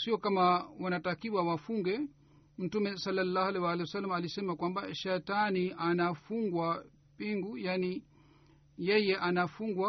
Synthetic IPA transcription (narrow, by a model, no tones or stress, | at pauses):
siɔkamawanatakiwawafuŋɡɛ | m̩tumɛsalːalːaːhalɛwalɛwasalːamaːlisɛmakwambaʃatanianafuŋɡwa | piŋɡujani | jɛjɛʔanafuŋɡwa